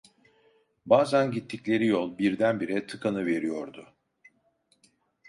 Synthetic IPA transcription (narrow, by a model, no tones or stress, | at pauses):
baːzænɟit̪ʰːiclʲe̞ɾijo̞lˠbiɾd̪ænbiɾɛt̪ʰɯkʰanɯve̞ɾijo̞ɾd̪ʊ